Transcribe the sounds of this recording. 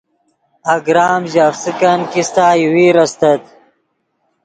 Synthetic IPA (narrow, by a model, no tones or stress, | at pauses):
ɐɡɾaːmʑaːfsikɐnkist̪aːjiwiːɾɐst̪ɐt̪̚